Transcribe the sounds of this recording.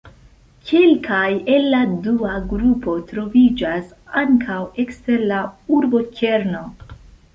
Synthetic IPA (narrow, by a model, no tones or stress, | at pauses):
kʰelkʰaje̞lːaduaɡɾupo̞tɾo̞vid͡ʒas | aŋkʰawe̞kste̞ɾlauɾbo̞ke̞ɾno̞